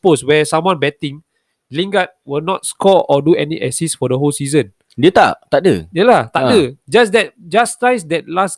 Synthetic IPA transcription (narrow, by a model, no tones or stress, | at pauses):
poswɛsãmwɔ̃nbɛtĩŋ | lĩŋɡat̚wilnɔt̚skɔɔduɛniʔɛsisfɔdəɦolsizə̃n | dət̪a̰ʔt̪adə̰jəlat̪adəd͡ʒas̬dɛt̚d͡ʒastajsdɛt̚las